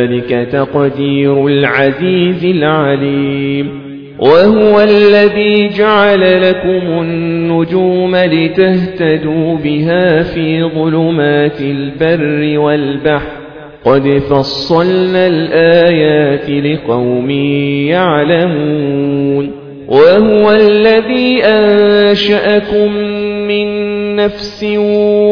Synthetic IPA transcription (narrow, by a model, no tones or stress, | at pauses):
lɪkat̪aqd̪iːɾʊlʕaziːzɪlʕaliːm | wʔahʊwalːaðiːd͡ʒaʕalalakʊmʊnːʊd͡ʒuːmalɪt̪aht̪ad̪uːbɪɦaːfiːðˤʊlʊmaːt̪ɪlbarːɪwalbaħɾ | qɑd̪fɑsˤːɑlnalʔaːjaaːt̪ɪlɪqɑwmɪːjaʕlamuːn | wʔaɦʊwalːaðiːʔanʃaʔakʊmːɪnːafsɪ